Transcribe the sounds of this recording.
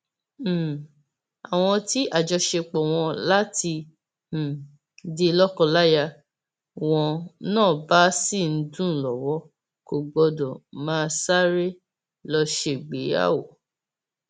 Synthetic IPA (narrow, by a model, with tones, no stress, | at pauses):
a˨w̃ɔ̃˧ti˦ʔa˦˨d͡ʒɔ˧ʃe˧k͡pɔ˨w̃ɔ̃˧la˦ti˧˨ | de˧˦lɔ˦kɔ˦˧la˦ja˧ | w̃ɔ̃˧nãː˦˨ba˨˦si˦˨n̩˦dũ˦˨lɔ˨wɔ˨˦ | ko˨ɡ͡bɔ˧dɔ˨mãː˦sa˦ɾe˦ | lɔ˧ʃe˦˨ɡ͡be˨˦a̰˦˨wo˨